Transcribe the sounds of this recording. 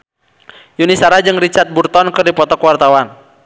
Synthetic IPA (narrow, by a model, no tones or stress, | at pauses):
junisaɾad͡ʒɨŋrit͡ʃart̪̚burt̪ɔnkɨrdipɔt̪ɔkwart̪awan